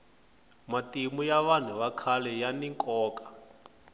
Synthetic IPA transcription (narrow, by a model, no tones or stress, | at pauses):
matʼimujaβan̤uβakʰalɛjaniŋkʼɔːkḁ